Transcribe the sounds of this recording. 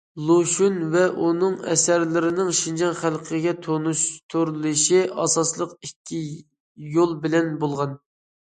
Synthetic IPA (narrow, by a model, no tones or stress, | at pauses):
lˠoʃunvɛʔunɨŋɛ̰sæɾlɪɾɪnɪŋʃind͡ʒɑnχælˠqʰəɡʲɛt̪ʰonuʃt̪ʰuɾlˠɨʃiʔɑ̰sɑslˠəqikʲʰːi | jolˠbɪlɛnbolˠʁɑn